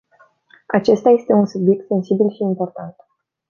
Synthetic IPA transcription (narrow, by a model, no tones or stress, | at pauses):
at͡ʃe̞st̪aje̞st̪e̞unsubje̞k̚t̪se̞nsibilʃiːmpo̞rt̪ant̪